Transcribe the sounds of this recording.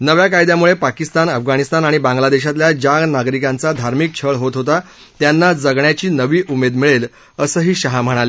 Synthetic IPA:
nəʋjakajd̪jamuɭepakist̪anəfɡaɽ̃ist̪anaɽ̃ibãŋɡlad̪eɕ̬at̪ljad͡ʑaɡnaɡɾikãnt͡sad̪ʱaɾmik̚t͡ɕʰəɭɦot̪ɦot̪a | t̪janːad͡zəɡɳjat͡ɕiːnəʋiːʔumed̪miɭel | əsəɦiːɕəɦam̤əɽ̃ale

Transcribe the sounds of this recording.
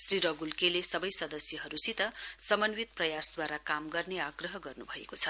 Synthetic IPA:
sriɾʌɡulkelesʌbʌjsʌd̪ʌsjʌɦʌɾusit̪ʌsʌmʌnwit̪̚prʌjasd̪waɾakamɡʌrneaɡrʌɦʌɡʌrnubʱʌekot͡sʰʌ

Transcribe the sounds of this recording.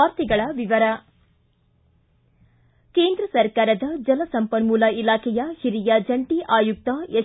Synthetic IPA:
aːɾt̪iɡɐɭɐʋiʋɐɾɐ | keːnd̪ɾɐsɐɾkaːɾɐd̪ɐd͡ʒɐlɐsɐmpɐnmuːlɐilaːkʰɛjɐhiɾijɐd͡ʒɐɳʈiʔaːjuk̚t̪ɐe

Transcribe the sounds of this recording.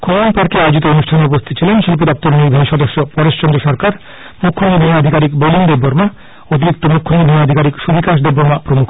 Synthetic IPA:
kʰonpaɾkeajd͡ʒit̪ɔonusʈʰanɔpost̪ʰit̪̚ːt͡ɕʰilenʃilpud̪ɔp̚t̪ɔɾnijbʱajʃɔd̪ɔsjɔpɔɾest͡ʃɔnd̪ɾɔsɔɾkaɾ | mukʰːonibʱejaɔd̪ʱikaɾikbolimd̪ebːɔɾma | ot̪̬iɾik̚t̪omukʰːonibʱejaad̪ʱikaɾiksubʱikaʃ̬d̪ebːɔɾmapɾomukʰ

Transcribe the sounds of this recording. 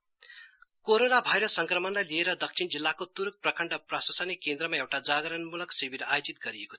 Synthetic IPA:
koɾonabʱajɾʌsːʌŋkrʌmʌnlajlieɾʌd̪ʌksʰind͡zilːakot̪uɾk̚prʌkʌɳɖʌprasʌsʌnikend̪rʌmaewʈad͡zaɡʌɾʌnmulʌksebʱiɾa̰jod͡zit̪̚ɡʌɾijeko̥

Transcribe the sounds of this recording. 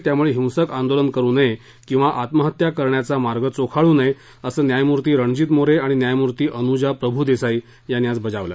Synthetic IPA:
t̪jamuɭeɦiw̃səkand̪olənkəɾuːnəe | kĩw̃ʋaʔat̪məɦət̪jakəɾɳjat͡samaɾɡət͡sokʰaɭuːnəj | əsəːnjajmuɾt̪iːɾəɳd͡ʑiːt̪moɾeaɽ̃injajmuɾt̪iːʔənud͡ʑapɾəbʱuːd̪esai | janjat͡sbəd͡zaʋlə̰

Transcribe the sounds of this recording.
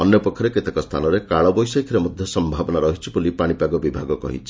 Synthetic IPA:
ɔnjɔpɔkʰːɔɾeket̪ekɔst̪ʰa̰nɔɾekaɭɔbɔjsɔjkʰiɾemɔd̪ʱjɔsɔmbʱabɔnaɾɔɦit͡ʃʰibulipaɽ̃ipaɡɔbibʱaɡɔkɔ̰ɦḭt͡ʃʰi̥

